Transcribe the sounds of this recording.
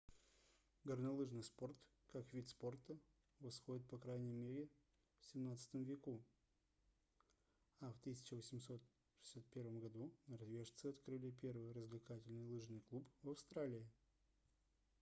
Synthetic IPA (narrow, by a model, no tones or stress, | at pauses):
ɡəɾnɐlˠɨʐnɨjspo̞rt̪ | kakvʲit̪spo̞rt̪ə | vɐsxo̞dʲɪt̪̚pɐkɾajnʲɪjmʲeɾʲɪ | fsʲɪmnat̪sɨ̥t̪əmvʲɪku | aft̪ɨsʲɪ̥t͡ɕɪvəsʲɪmso̞t̪ | ʂɨ̥sʲat̪̚pʲe̞rvəmɡɐd̪unəɾɐvʲeʂt̪sɨɐt̪kɾɨlʲɪpʲe̞rvɨjrəzʲvlʲɪkatʲɪlʲnɨjlˠɨʐnɨjklˠupvɐfst̪ɾalʲɪɪ